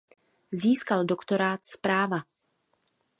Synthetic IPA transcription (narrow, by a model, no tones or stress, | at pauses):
ziːskaldokt̪o̞ɾaːt̪spɾaːva